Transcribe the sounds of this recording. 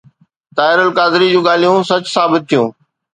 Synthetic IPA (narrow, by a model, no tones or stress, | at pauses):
t̪aːɪɾəlkaːzɪɾid͡ʑũːɠaːl̤ijũsɐt͡ɕsaːbɪt̪̚ʰːijũː